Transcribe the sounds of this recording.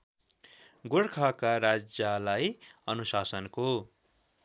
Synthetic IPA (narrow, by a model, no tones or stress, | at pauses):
ɡoɽkʰakaɾad͡zjalajʌnusasʌnko